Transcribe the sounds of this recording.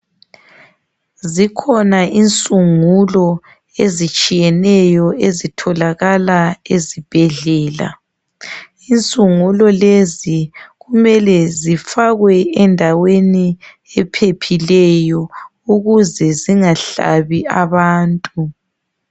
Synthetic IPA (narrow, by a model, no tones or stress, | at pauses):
zikʰɔnaʔint͡sʼuŋulɔ | ezit͡ʃʼijɛnɛjɔezitʰɔlaɣalaezib̥ʱɛɮɛːla̰ | int͡sʼuŋulɔleziɣumɛlɛzifaɣwɛɛndʱaweni | ɛpʰepʰilɛjɔ | uɣuzɛziŋaɬa̰βiaβaːntʼu